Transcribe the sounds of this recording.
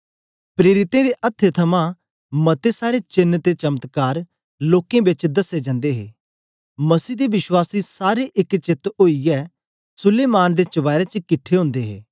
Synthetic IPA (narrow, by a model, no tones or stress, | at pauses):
pɾeːɾɪt̪ẽd̪eʔɐt̪ʰːet̪ʰɐmã | mɐt̪esaːɾet͡ʃɪnːt̪et͡ʃɐmət̪kaːɾ | loːkẽbɪt͡ʃd̪ɐsed͡ʒə̃ːnd̪eɦḛː | mɐsiːd̪ebɪʃwaːsisaːɾeʔɪkt͡ʃɪt̪oːijɛː | sʊleːmaːnd̪et͡ʃɐʋaːɪɾet͡ʃkɪʈʰːeɦʊ̃ːnd̪eɦḛː